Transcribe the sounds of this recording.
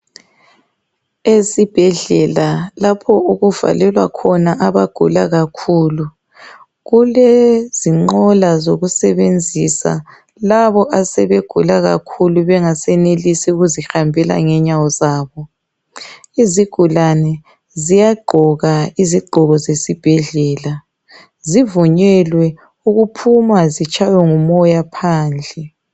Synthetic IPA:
esib̥ʱɛɮɛlalapʰɔuɣuv̥a̰lɛlwa̰kʰɔnaʔaβaɡ̥ʱṵlaɣakʰuːlu | ɣuleziŋ͡ǃɔlazoɣusɛβend͡zʱisa̰ | laβɔʔasɛβeɡ̥ʱulaɣa̰kʰuluβɛŋasɛnelisiuɣuzixambʱɛla̰ŋɛɲawɔzaːβɔ | iziɡ̥ʱulanɛ | zijaɡ͡ǃʱɔɣaiziɡ͡ǃʱɔɣɔzesib̥ʱɛɮɛːla | zivuɲɛlwɛ | uɣupʰumazit͡ʃʰʼajɛŋumɔjapʰaːnd͡ɮʱɛ

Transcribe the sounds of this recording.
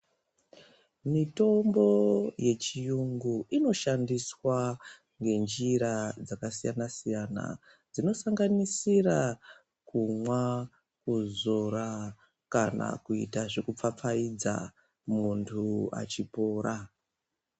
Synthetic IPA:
mito̞mbo̞je̞t͡ʃijuŋɡuʔino̞ʃandiswa | ŋɡe̞nd͡ʒiɾad͡zakasijanasijana̰ | d͡zino̞saŋɡanisira | kumwa | kuzoɾa | kana̰kuḭtaʐe̞kup͡fap͡faid͡za̰ | muntʰua̰t͡ʃipo̞ːɾa

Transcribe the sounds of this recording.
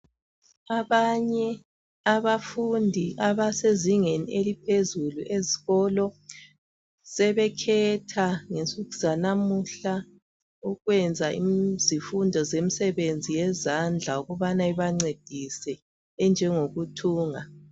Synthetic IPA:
aβaɲɛ | aβafundʱiʔaβaseziŋeniʔelipʰezuluʔeziɣɔlɔ | sɛβɛkʰɛtʰaŋensʼuɣiz̥anamuɬa | uɣwɛnd͡zʱaḭzifundʱɔzemisɛβend͡zʱijɛzand͡ɮʱauɣuβanaiβaŋ͡ǀed̥ʱisɛː | nd͡ʒʱɛŋoɣutʰuːŋa

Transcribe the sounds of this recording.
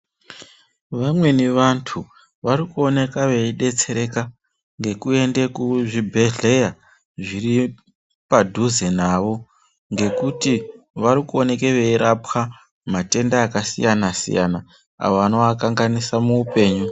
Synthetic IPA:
ʋamwe̞niʋantʰu | ʋarikuo̞ne̞kaʋe̞iɗe̞t͡se̞ɾe̞ka | ŋɡe̞kue̞nde̞kuʐibʱe̞ɮe̞ja | ʐiri | padʱuzenaʋo̞ | ŋɡe̞kuti | ʋaɾikuo̞ne̞ke̞ʋe̞iɾapxa | mate̞ndaːkasḭjanasḭja̰na | a̰ʋoʋano̞akaŋɡanisamuːpe̞ːɲu

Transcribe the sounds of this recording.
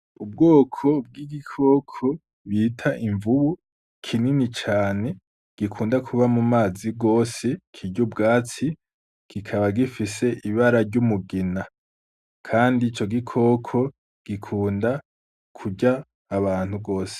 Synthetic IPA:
ub̚ɡoːkʰo̞b̚ɡiɡikʰo̞ːkʰo̞ | βiːtʰaʔiɱvuβu | kʰininit͡ʃaːne̞ | ɡ̥ikʰuːndakʰuβamumaːziɡoːse̞kʰiɟubɡaːt͡si | ɡ̥ikʰaβaɡifise̞ʔiβaɾaɾɟumuɡina | kʰaːndiːt͡ʃo̞ɡikʰo̞ːkʰo̞ | ɡ̥ikʰuːnda | kʰuɟaː | βaːn̥huɡo̞ːse̥

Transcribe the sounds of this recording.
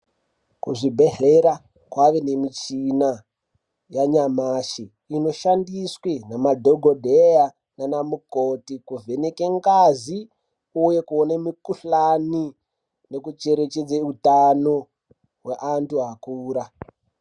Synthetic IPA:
kuʐibʱe̞ɦeɾa | kwaʋe̞ne̞mit͡ʃina | jaɲamaːʃi | ino̞ʃandiswenamadʱoɡʱodʱea | nanamukotikuve̞nekeŋɡazi | uje̞kuonemikuɬani | ne̞kut͡ʃe̞ɾet͡ʃed͡zeutano̞ | ɦweʔantuɦakuːɾa

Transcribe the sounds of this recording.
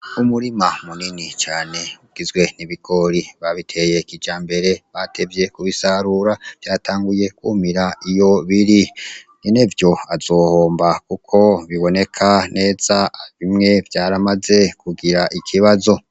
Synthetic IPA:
umuɾimamuninit͡ʃaːne̞uɡ̥izɡwe̞niβiɡo̞ɾiβaβitʰe̞je̞kid͡ʒaːmbe̞ɾe̞βatʰe̞vje̞kuβisaɾuɾav̥jaːtaːŋɡuje̞kwumiɾaijo̞βiɾiɲinevjo̞az̥o̞ːhoːmbakukʰo̞βiβo̞ne̞kʰane̞ːz̥aβimŋe̞vjaːɾamaze̞kuɡiɾaʔikʰiβazo̞

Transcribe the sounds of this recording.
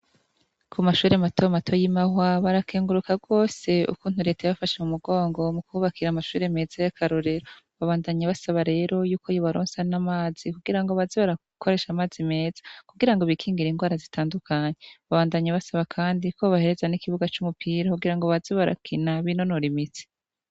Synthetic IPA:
kʰumaʃuːɾematʰo̞matʰo̞jimahwaβaɾakeːŋɡuɾukaɡo̞ːse̞ṵkuːn̥uɾe̞ːtajaβafaʃemumuɡo̞ːŋɡo̞mukuuβakʰiɾamaʃuːɾe̞me̞ːzajakʰaɾoɾeɾo | βaβaːndaɲaβasaβaɾe̞ːɾo̞juːko̞joβaɾoːnsanamaːz̥ikuɡiɾaŋɡoβaziβaɾa | kʰoɾe̞ʃamaːzime̞ːz̥ḁkuɡiɾaŋɡo̞βikʰiːŋɡiɾiŋɡwaːɾazitʰaːndukʰaɲeβaβaːndaɲaβasaβakʰaːndikʰoβahe̞ɾe̞zanikiβuɡat͡ʃumupʰiɾakuɡiɾaŋɡoβaziβaɾa̰kʰinaβino̞noɾimit͡si̥

